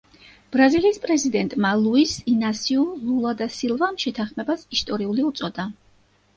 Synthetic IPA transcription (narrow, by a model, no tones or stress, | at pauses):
b̥ɾaziliːspʼɾɛzid̪ɛnt̪ʼmalˠuisinasiululˠad̪asilˠvamʃɛt̪ʰanχmɛbasist̪ʼɔɾiuliut̪sʼɔd̪a